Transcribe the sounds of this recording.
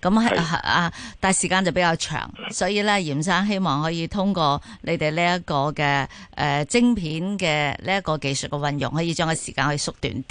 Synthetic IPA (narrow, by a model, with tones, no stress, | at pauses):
kɐ˨˧˥mɦa˧t̪aː˨jsiː˨˩kaː˧nt͡sɐ˨˩pe˨˥jkaː˧wt͡ʃʰœ̰ː˨˩ŋsɔː˨˥jiː˨˧lɛː˥jiː˨˩msaː˥ŋɦe˥jmɔː˨˩ŋɦɔː˨˥jiː˨˧t̪ʰʊ˥ŋkɔː˧lʔe˨˧jt̪e˨jliː˥ɐ˥kɔː˧kɛː˧ʔɛː˨t͡sɪ˥ŋpʰiː˨˥nkɛː˧liː˥ɐ˥kɔː˧ke˨jsə˨t̚kɛ˧wɐ˧njʊ̰˨˩ŋhɦɔː˨˥jiː˧t͡ʃœː˥ŋɐ˨˧sḭː˨kaː˧nhɵ˧sʊ˥k̚t̪y̰ː˨˥nt̪